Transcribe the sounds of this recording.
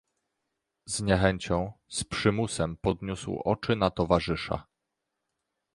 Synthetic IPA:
z̥ɲɛxɛɲt͡ɕɔ̃w̃spʂɘmusɛmpɔd̪ɲuswʔɔ̰t͡ʂɘnat̪ɔvaʐɘʂa̰

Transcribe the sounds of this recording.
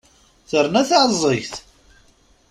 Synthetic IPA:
θəɾˤnæθaʕzˤːeçθ

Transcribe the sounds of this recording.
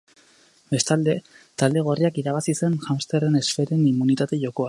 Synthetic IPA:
be̞st̪ald̪e̞ | t̪ald̪e̞ɣ̞oriakiɾaβ̞asise̞nʝamst̪ere̞ne̞sfeɾe̞nimːunit̪at̪e̞ʝo̞ko̞a

